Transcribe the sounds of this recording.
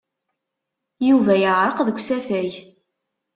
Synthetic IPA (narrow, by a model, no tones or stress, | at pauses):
juvæjəʕɾˤəqðəɡʷsæfæj